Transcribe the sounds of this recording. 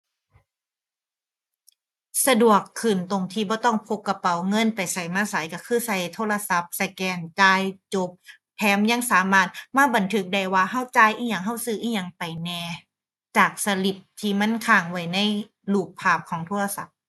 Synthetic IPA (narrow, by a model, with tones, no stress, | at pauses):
sa˧du˨˩əkʰːɯː˨˩nt̪o˧˩ŋt̪ʰiː˧˩bɔː˧˦t̪ɔ˥˩ŋpʰo˧˥kːa˧pa˨˩wŋɤ˧˥˨npa˨˩jsa˨˩jmaː˧˥˨sa˨˦jka˧˩kʰɯː˧˥˩sa˧˩jt̪ʰoː˧˥˨la˧sa˧˦p̚sa˧kɛː˧˩ŋt͡ɕaː˧jt͡ɕo˧˦p̚ | pʰːɛː˧˥mja˧˥˨ŋsaː˨˦maː˧˩t̪̚maː˧˥˨ba˨nt̪ʰɯ˧˦˥k̚da˧˩jwaː˧ɦa˧˥˩wt͡ɕaː˧˨jʔiː˧˥˩ɲa˧˩ŋɦa˧˥˩wsɯː˧˩ʔiː˧˩ɲa˧˩ŋpa˨˩jnɛː˧ | t͡ɕaː˨˩k̚sa˧li˨˩p̚t̪ʰiː˧˩ma˧˥˨nkʰaː˧˩ŋwa˧˩jna˧˥˨j | luː˨˩k̚pʰaː˧˩p̚kʰɔː˨˦ŋt̪ʰoː˧˥˨la˧sa̰˨˦p̚